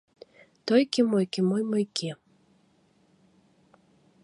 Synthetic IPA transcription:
t̪ojkemojkemojmojke

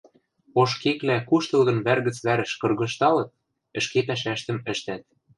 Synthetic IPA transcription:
oʃkeklækuʃt̪ɤ̆lɣɤ̆nβærɣə̆t͡sβæɾɘ̆ʃkɤ̆rɣɤ̆ʃt̪ɑlɤ̆t̪̚ | ɘ̆ʃkepæʃ̬æʃt̪ə̆mɘ̆ʃt̪æt̪̚

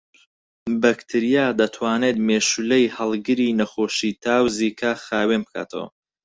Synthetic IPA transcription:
bɐkt̪ʰɨɾijaːd̪ɐt̪ʰwaːneːt̪meːʃulejhɐlˠɡɨɾiːnɐχoːʃiːt̪ʰaːwziːkʰaχaːwenbɨkʰa̰ːt̪ʰɐ̰wɐ̰

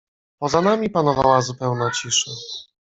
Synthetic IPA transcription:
pɔzanamʲipan̪ɔva̰wazupɛwnat͡ɕiʂɛ

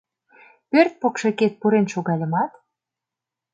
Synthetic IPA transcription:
pørt̪̚pokʃeket̪̚puɾenʃoɣɑlʲə̆mɑt̪

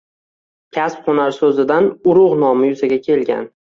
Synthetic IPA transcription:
kʲʰaspχonaɾsɵzɪd̪anʊɾʊʁnɒmɪjʊzaɡʲakʲʰe̞lɡʲa̰n

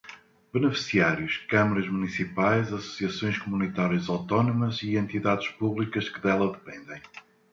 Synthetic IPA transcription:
bɨnɨfi̥siaɾjuʃkɐmɐɾɐʒmunisipajzɐsu̥siɐsõj̃ʃkumunit̪aɾjɐzawt̪ɔnumɐziẽnt̪iðaðʃpuβlˠikɐʃkɨðɛlˠɐðɨpẽnd̪ẽj̃

